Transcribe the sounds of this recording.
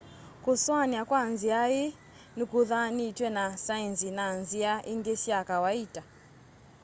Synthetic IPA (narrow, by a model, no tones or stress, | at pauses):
kuswaniakwanziaji | nikuðanitwɛnasainzinanziaʔindɛsiakawaita